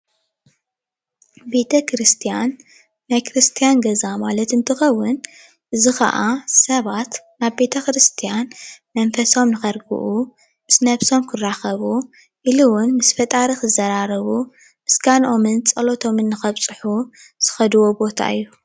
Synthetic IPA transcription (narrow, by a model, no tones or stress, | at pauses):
be̞t̪ʰɐkɾɨst̪ʰijanː | ajkɨɾɨst̪ʰijanɡɐzamalɐt̪ɨnt̪ʰɨxɐwːʊn | ʔɨzixɐ̰ʔasɐβat̪ | naβbe̞t̪ʰɐkɾɨst̪ʰijanmɐnfɐso̞mnɨxɐɾɡɨ̰ʔu | mɨsnɐβso̞mkʰɨrːaxɐβu | ʔiluwʊnmɨsfɐt̪ʼaɾixɨzɐɾaɾɐβu | mɨsɡanʔo̞mɨnt͡sʼɐlo̞t̪ʰo̞mɨnːɨxɐβt͡sʼɨħuz̥ɨxɐd̪ɨwo̞bo̞t̪ʰa̰ʔɨ̰jːu